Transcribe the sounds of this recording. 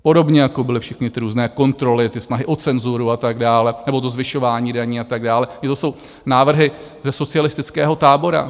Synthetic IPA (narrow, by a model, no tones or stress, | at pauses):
po̞do̞bɲɛjako̞bɪlɪfʃɛxnɪt̪ɪɾuːznɛːko̞nt̪ɾo̞lɪt̪ɪsnaɦɪʔo̞t͡sɛnzuɾuat̪aɡdaːlɛnɛbo̞t̪̬o̞zvɪʃo̞vaːɲiːdaɲiːat̪aɡdaːlɛɲɪt̪oso̞w | naːvr̩ɦɪ | zɛso̞t͡sɪalɪst̪ɪt͡skɛːɦo̞t̪aːbo̞ɾa̰